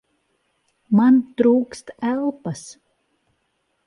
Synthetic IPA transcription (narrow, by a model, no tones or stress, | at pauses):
mant̪ɾuːkst̪ælˠpas